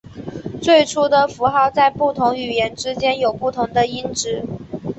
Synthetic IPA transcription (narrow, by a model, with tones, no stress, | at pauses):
t͡swe˥˩ɪʈ͡ʂʰu˥d̪ə˨fu˧˥xɑ˥˧ʊt͡sa˥˧ɪpu˥˩t̪ʰʊ˧˥ŋy˨˩jɛ˧˥nʈ͡ʂɻ̩˥t͡ɕjɛ˥njo˨˩ʊpu˥˩t̪ʰʊ˧˥ŋd̪ə˧i˥nʈ͡ʂɻ̩˥˩